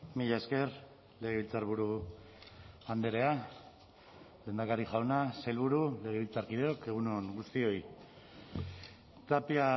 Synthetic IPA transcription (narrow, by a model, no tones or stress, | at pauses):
miʎaeske̞r | le̞ɣ̞e̞βilt͡saɾβ̞uɾu | and̪e̞ɾe̞a | le̞ːnd̪akaɾiʝawnaselβuɾule̞ɣ̞eβilt͡saɾkið̞e̞o̞ke̞ɣ̞unoŋɡust̪io̞j | t̪apia